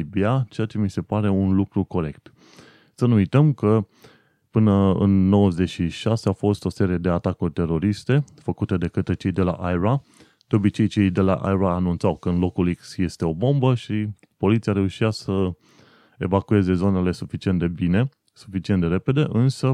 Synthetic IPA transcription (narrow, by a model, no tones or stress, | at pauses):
ibiat͡ʃe̞jat͡ʃe̞mise̞paɾe̞unlukɾuko̞ɾe̞kt̪ | sənuujt̪əmkə | pɨnəɨ̰nːo̞wəze̞ʃiʃaseafo̞st̪o̞se̞ɾie̞d̪e̞at̪akurʲt̪e̞ɾo̞ɾist̪e̞fəkut̪e̞d̪e̞kət̪ɾet͡ʃe̞jd̪e̞la̰ʔajɾa | d̪̥eo̞bit͡ʃe̞jt͡ʃe̞jd̪e̞la̰ʔa̰jɾaːnunt̪sawkəɨnlo̞kuliksje̞st̪e̞o̞bo̞mbəʃi | po̞lit̪siaɾe̞uʃiasə | ḛvakue̞ze̞zo̞ne̞le̞sufit͡ʃient̪d̪ebine̞ | su̥fit͡ʃint̪d̪e̞ɾe̞pe̞d̪e̞ʔɨnsə